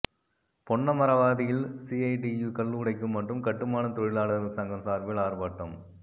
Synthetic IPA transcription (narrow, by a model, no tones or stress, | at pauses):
pɔɳːɐmɐɾɐʋaːðɪjɪlsiɐɪʈijukɐɭːɯɯɽɐɪkːɯmːɐʈrɯmkɐʈːɯmaːnɐmt̪ɔɻɪɭaːɭɐɾɐsɐŋɡɐmsaːɾʋɪɪlaːɾpaːʈːɐm